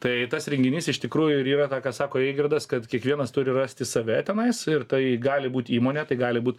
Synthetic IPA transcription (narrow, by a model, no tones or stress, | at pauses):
t̪ɐɪt̪ɐsɾʲɛŋʲɡʲɪnʲiːsɪʃt̪ʲɪkɾuːjʊɪɾiːɾɐt̪ɑːkɑsɑːkoːeːɡʲɪrd̪ɐskɐt̪kʲiɛkʋʲiɛnɐst̪ʊɾʲɪrɑːsʲt̪ʲɪsɐʋʲɛt̪ʲɛnɐɪsɪrt̪ɐɪɡɑːlʲɪbuːt̪ʲiːmoːnʲɛt̪ɐɪɡɑːlʲɪbuːt̪